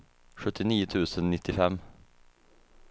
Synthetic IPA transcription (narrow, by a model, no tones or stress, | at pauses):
ɧɵt̪ʰːɪniːʊt̪ʰʉ̟ːsənnɪt̪ʰːɪfɛmː